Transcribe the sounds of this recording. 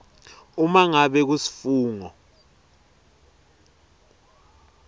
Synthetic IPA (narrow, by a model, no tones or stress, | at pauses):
umaŋaɓɛk̬usi̥fuːŋɔ